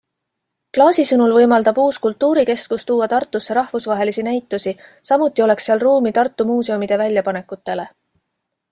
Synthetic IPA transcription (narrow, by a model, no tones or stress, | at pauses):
klɑːsisɤnulvɤjmɑld̪̥ɑb̥uːskult̪ːˑuːɾike̞skust̪uːɑt̪ɑrt̪ːˑusːeɾɑhvusvɑɦe̞lisinæjt̪ːˑusisɑmut̪ˑːio̞le̞ksːeɑlruːmit̪ɑrt̪ːˑumuːse̞omid̪̥e̞vælʲjɑpɑne̞kut̪ːe̞le̞